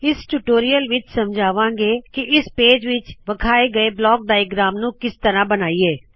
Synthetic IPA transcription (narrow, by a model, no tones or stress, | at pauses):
ɪsʈuʈoːɾijəlʋɪt͡ʃsəmd͡ʒʱaːʋãːŋɡeːkɪʔɪspeːd͡ʒʋɪt͡ʃʋəkʰaːeːɡəeːblɔːk̚ɖaːjɡɾaːmnũːkɪst̪əɾãːbənaːiːeː